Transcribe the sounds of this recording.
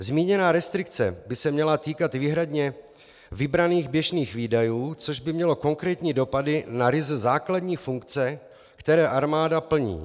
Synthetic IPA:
zmiːɲɛnaːɾɛst̪ɾɪk̚t͡sɛbɪsɛmɲɛlat̪iːkat̪viːɦɾadɲɛ | vɪbɾaniːɣbjɛʒniːxviːdajuːt͡soʒbɪmɲɛlo̞ko̞ŋkɾɛːt̪ɲiːdo̞padɪnaɾɪzzaːkladɲiːfuŋkt͡sɛ | kt̪ɛɾɛːʔaɾmaːdapl̩ɲḭː

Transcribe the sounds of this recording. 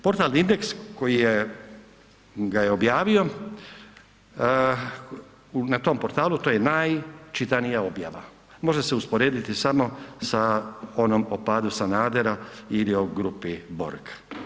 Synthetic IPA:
po̞ɾt̪alnind̪e̞ksko̞jije | ɡaje̞objaːʋio̞ | unat̪o̞ːmpo̞ɾt̪aːlut̪oːje̞najt͡ʃit̪anijao̞bja̰ʋa̰ | mo̞ʒeseuspoɾe̞ːd̪it̪isamo̞sao̞nomopaːd̪usanaːd̪eɾailio̞ɡɾupibo̞̰ɾkʰḁ

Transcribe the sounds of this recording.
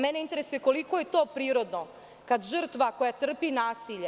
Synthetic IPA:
mɛneint̪e̞ɾesuje̞ko̞liko̞je̞t̪oːpɾiːɾo̞d̪no | kad̪ʒər̩t̪ʋako̞jat̪r̩pinaːsiːʎe

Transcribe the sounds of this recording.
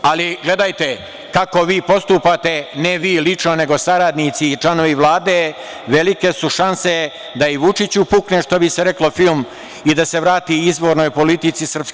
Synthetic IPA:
aliɡle̞d̪ajt̪e̞ | kako̞ʋiːpo̞st̪upat̪e̞neʋiːlit͡ʂnone̞ɡo̞saɾad̪nit̪sit͡ʃlˠano̞ʋiʋlˠaːd̪e | ʋe̞like̞suʃanse̞ | d̪aiʋut͡ʃit͡ɕupukneʃt̪obiseɾe̞klo̞film | id̪ase̞ʋɾaːt̪iizʋo̞ːɾnojpo̞lit̪it̪sisr̩psk

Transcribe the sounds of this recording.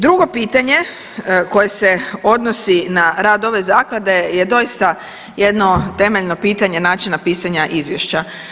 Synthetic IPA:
d̪ɾuɡo̞piːt̪aɲe̞ | ko̞je̞se̞o̞d̪no̞sinaɾaːd̪o̞ʋe̞zaːklˠad̪e̞je̞d̪o̞ist̪a | je̞d̪no̞t̪e̞meʎno̞piːt̪aɲe̞naːt͡ʃinapiːsaɲaʔizʋje̞ʃt͡ɕa

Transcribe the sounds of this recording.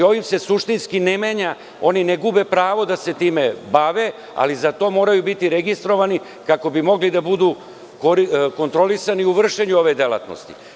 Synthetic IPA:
o̞ʋimse̞suʂt̪inskinemeːɲa | o̞nineɡubepɾaːʋo̞d̪ase̞t̪iːme̞baʋe̞ | a̰lizat̪o̞ːmo̞ːɾajubit̪iɾe̞ɡist̪ɾo̞ʋani | kako̞bimo̞ɡlid̪abud̪u | koɾiko̞nt̪ɾo̞lisaniuʋr̩ʃe̞ɲuo̞ʋe̞d̪ela̰t̪no̰st̪i̥̰

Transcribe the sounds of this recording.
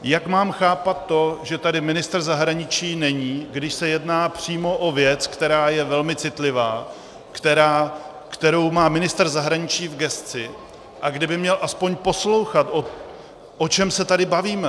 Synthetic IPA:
jakmaːmxaːpat̪ːo̞ʒɛt̪adɪmɪnɪst̪r̩zaɦɾaɲɪt͡ʃiːnɛɲiːɡdɪʃsɛjɛdnaːpr̥iːmo̞ʔo̞vjɛt͡skt̪ɛɾaːjɛvɛlmɪt͡sɪt̪lɪvaː | kt̪ɛɾaː | kt̪ɛɾo̞wmaːmɪnɪst̪r̩zaɦɾaɲɪt͡ʃiːvɡɛst͡sɪ | ʔaɡdɪbɪmɲɛlʔaspo̞ɲpo̞slo̞wxat̪ʔo | ʔo̞t͡ʃɛmsɛt̪adɪbaviːmɛ

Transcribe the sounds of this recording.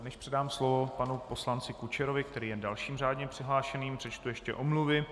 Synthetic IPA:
nɛʃpr̥ɛdaːmslovo̞panupo̞slant͡sɪkut͡ʃɛɾovɪkt̪ɛɾiːjɛndalʃiːmr̝aːdɲɛpr̝̥ɪɦlaːʃɛniːmpr̥ɛt͡ʃt̪ujɛʃcɛ̰ʔomluvɪ

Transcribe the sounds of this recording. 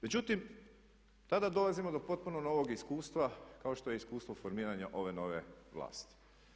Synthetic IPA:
me̞d͡ʑut̪im | t̪ad̪ad̪o̞lazimo̞d̪o̞po̞t̪̚punono̞ʋo̞ɡiskuːst̪ʋakao̞ʃt̪o̞je̞iskuːst̪ʋo̞foɾmiːɾaɲaʔo̞ʋe̞no̞ʋe̞ʋlˠa̰ːst̪i̥

